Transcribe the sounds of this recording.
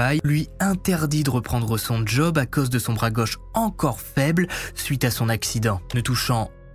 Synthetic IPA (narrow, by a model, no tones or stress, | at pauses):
ajlɥiɛ̃t̪ɛʁd̪id̪əʁəpχɑ̃d̪ʁəsɔ̃ʒɔbakozd̪əsɔ̃bʁaɡɔʃɑ̃kɔʁfɛblsɥit̪asɔ̃naksid̪ɑ̃nət̪uʃɑ̃